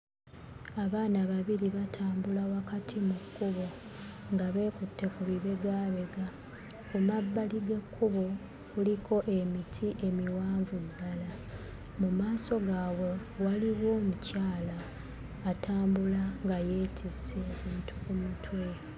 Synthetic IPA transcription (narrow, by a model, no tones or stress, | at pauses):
aβaːnaβaβiɾiβatʰaːmbulawakatʰimukːuβo̞ | ŋɡaβe̞ːkutːe̞kuβiβe̞ɡaːβe̞ɡa | kumabːaliɡe̞kʰːuβo̞ | kulikʰo̞ʔe̞mitʰiʔe̞miwaːɱvudːala | mumaːso̞ɡaːwe̞waliβwo̞ːmucaːlaː | tʰaːmbulaŋɡajeːtʰiseβiːntʰukumutwe